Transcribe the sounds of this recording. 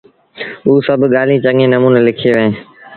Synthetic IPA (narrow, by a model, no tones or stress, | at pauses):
uːsəbʱɠaːlĩːt͡ɕɐŋẽnɐmuːnelɪkʰieʋẽː